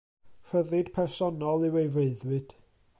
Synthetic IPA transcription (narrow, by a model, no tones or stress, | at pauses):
fəðɨd̥pʰɛrsɔnɔlˠɪwejveɨðwɨd̥